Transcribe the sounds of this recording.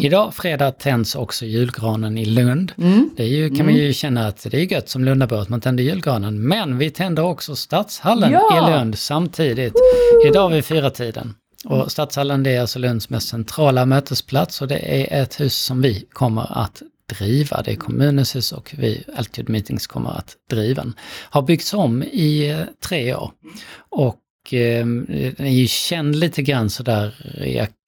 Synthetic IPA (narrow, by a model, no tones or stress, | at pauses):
ɪd̪ɑːfɾeːd̪ɑːt̪ʰɛnd̪sɔksɔjʉ̟ːlɡɾɑːnənɪlɵnd̪d̪̥ɛæɾjɵkʰanmanjɵɕɛnːaːt̪d̪ɛæɾjɵɡœt̪ːsɔmlɵnd̪abuːət̪mant̪ʰɛnd̪əjʉ̟ːlɡɾɑːnənmɛnvɪt̪ʰɛnd̪əɾɔksɔst̪at̪shalːənɪlɵnd̪samt̪ʰiːd̪ɪt̪ɪd̪ɑːvɪfyːɾat̪ʰiːd̪ə̰n | ɔst̪ɑːt̪shalːənd̪ɛæɾalsɔlɵnd̪smɛst̪sɛnt̪ʰɾɑːlamøːt̪əspʰlat̪sɔd̪ɛ̰ʔæɾʔɛt̪hʉ̟ːsːɔmvɪkʰɔmːə̰ɾa̰t̪d̪̥ɾiːva̰d̪ɛækʰɔmʉ̟ːnənshʉ̟ːsɔ̰kʰvɪ̰ælt̪ʰʉd̪miːt̪ɪŋskʰɔmːə̰ɾa̰t̪d̪̥ɾiːvaə̰nhaɾbʏɡ̚t̪sɔmːɪt̪ʰɾeːo̰ːɾɔk | ɛjɵɕɛnd̪liːt̪əɡɾanːsɔd̪æːɾjɑ̰